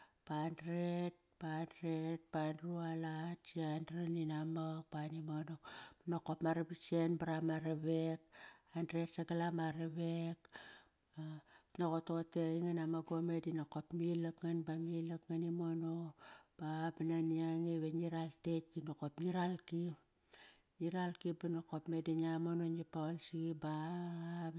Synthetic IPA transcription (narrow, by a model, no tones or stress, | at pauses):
pandɾet̚pandɾet̚pandrualatt͡ʃiandɾaninamapanimonoanokopmaɾebit͡ʃe̞nbaɾamaɾeβek̚andɾetsaɡalamaɾeβek | anokototeiŋanamaɡomedinokopmilakŋanbamilakŋanimonob̥abananiaŋiβeniɾalte̞t̚kinokopniɾalkip | niɾalkibanokopme̞dinamononipaolsiɡiba